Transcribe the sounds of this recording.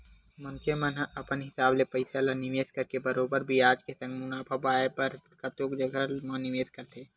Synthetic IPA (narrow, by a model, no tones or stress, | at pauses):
mɐ̃nt͡ʃemənɐpənɦɪsaːblepəɪsalanɪʋeːskɐɾkebɐɾoːbəɾbʱiaːd͡ʒkesɐ̃ŋɡmʊnaːpʰabaːepɐɾkɐt̪oːkd͡ʒəɡəmɐ̃nɪʋeːskəɾt̪ʰeː